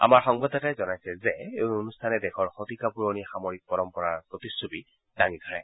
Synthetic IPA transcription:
a̰maɹxɔŋbɔdɔtajzɔnajsɛzɛonustʰanɛdɛxʰɔɹxotikapuɹonixamoɹik̚pɔɹɔmpɔɹaɹpotisːobi | d̥aŋidʱɔɹɛ̰

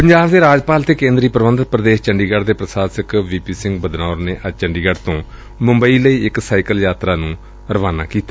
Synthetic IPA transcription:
pəɲd͡ʒaːbd̪eːɾaːd͡ʒpaːlt̪ʰeːkẽːnd̪ɾiːpəɾəʋənd̪ət̪pɾəd̪eːʃt͡ʃəɳɖiːɡəɖd̪eːpɾəsaːsəkʋiːpiːsɪ̃ŋɡbəd̪naːɾneːʔət͡ʃəɳɖiːɡəɖt̪õː | mʊ̃mbəiːləiːɪksaːɪkəljaːt̪ɾaːnũː | ɾəʋaːna̰ːkiːt̪a

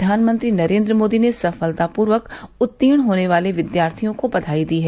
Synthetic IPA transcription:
aːnmə̃nt̪ɾiːnɐɾẽːnd̪ɾəmoːd̪inesəfəlt̪apʊːɾʋəkʊt̪ːiːɽ̃ɦoːneʋaːleʋɪd̪jaːɾt̪ʰijõkobɐt̪ʰaːid̪iːɦɛ

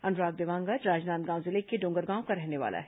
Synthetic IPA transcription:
ɐnɾaːk̚d̪eʋãːŋɡəɾɾaːd͡ʒnaːnt̪ɡãːw̃zɪlekeɖõːŋɡəɾɡãːõkaɾɛɦneʋa̰ːlʔa̰ɦɛ

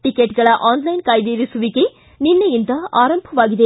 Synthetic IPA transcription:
ʈɪkːeʈɡɐɭɐʔaːnlɐjnkɐjd̪iːɾɪsʊʋikːe | nɪnːɐjɪnd̪ɐaːɾɐmbʱɐʋaːɣɪðeː

